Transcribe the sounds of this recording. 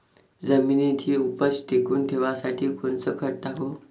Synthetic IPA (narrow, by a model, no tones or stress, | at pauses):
d͡zəminit̪ʰiːupəsʈ̪ekuːnt̪ʰeʋasaʈʰiːkont͡səkʰəɽ̚t̪aɦo